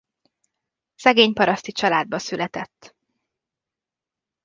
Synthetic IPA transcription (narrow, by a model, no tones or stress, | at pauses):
sɛɡeːɲpɒɾɒst̪it͡ʃɒlaːd̪̚bɒsylɛt̪ɛt̪ː